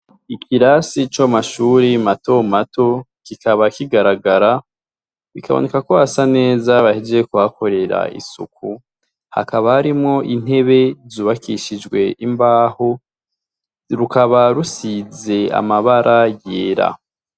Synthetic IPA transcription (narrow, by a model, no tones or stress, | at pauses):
ikʰiɾasit͡ʃamaʃuːɾimato̞matʰo̞ | kikʰaβakiɡaɾaɡaɾa | βikʰaβo̰ne̞kakoasane̞zaβahid͡ʒe̞kuakʰo̞ɾe̞ɾa̰ḭsṵku | ha̰kaβahaɾimŋo̞ʔin̥he̞βe̞zuːβakʰiʃid͡ʒɡwe̞ʔimbaːho̞ | ɾukaβaɾusize̞a̰maβaɾʔajeːɾa̰